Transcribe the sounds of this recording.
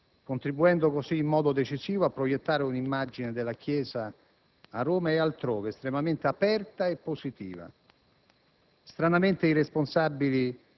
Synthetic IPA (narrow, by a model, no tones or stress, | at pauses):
kont̪ɾibuɛnd̪okosiːmːɔːd̪od̪et͡ʃisiːvoapːɾojet̪ːaːɾeunimːad͡ʒined̪elːak̟jɛːzaː | rːoːmaealt̪ɾoːvest̪ɾemament̪eapɛrt̪aepːosit̪ḭːva̰ | st̪ɾanament̪eiresponsabːili